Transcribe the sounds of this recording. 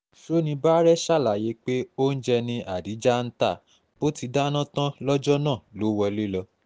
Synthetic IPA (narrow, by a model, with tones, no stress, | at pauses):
ʃo˦nĩ˧ba˦ɾɛ˦ʃa˦˨la˨je˨˧˦k͡pe˦o˦n̩˦d͡ʒɛ˧nĩ˧ʔa˨di˨˦d͡ʒa˦n̩˦ta˦˨ | b̥o˦ti˧da˦nã˦tã˦lɔ˦d͡ʒɔ˦nãː˦˨lo˨˦wɔ˧le˦lɔ˧